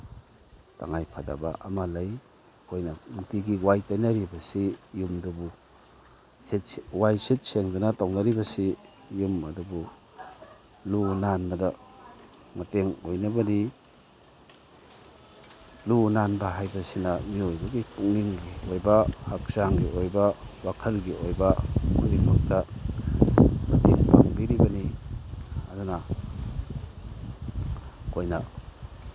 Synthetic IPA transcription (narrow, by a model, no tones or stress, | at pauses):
ta̰ŋajpʰada̰ba̰ʔamalaj | hojnɐnutiɡiwajtajnaɾibɐsijumdubu | sitwajsit̚seŋdunatownaɾibɐsi | jumɐdubu | lunanbɐda | mateŋojnabɐni | lunanbɐɦajbɐsinɐmiojbɐɡipuŋniŋɡiojbɐhak̚saŋɡiʔojbɐwakʰɐlɡiojbɐko̰jbimak̚tɐ | mɐteŋpa̰ŋbiɾibɐni | ɐduna | kojna